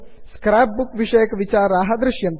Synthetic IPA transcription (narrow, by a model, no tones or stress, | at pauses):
skɾaːp̚bukʋiʂɐjəkʋit͡ʃaːɾaːɦɐd̪ɾɪʃjɐn